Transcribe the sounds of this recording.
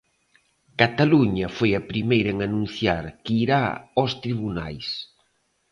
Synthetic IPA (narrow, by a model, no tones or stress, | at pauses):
kat̪aluɲɐfojɐpɾimejɾɐeŋanũn̟θjaɾkiɾaɔst̪ɾiβuna̰js